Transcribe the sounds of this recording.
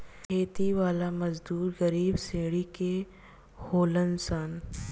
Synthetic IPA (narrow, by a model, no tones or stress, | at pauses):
kʰeːt̪iʋaːlamɐzd̪uːɾɣɐɾiːbsẽːɽike | hoːlənsaːn